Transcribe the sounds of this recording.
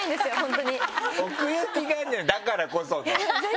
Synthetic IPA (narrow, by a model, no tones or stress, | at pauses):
ĩnd̪esɨjoɦont̪oɲiokɯjɯkʲiɡaɲinakaɾakosoŋ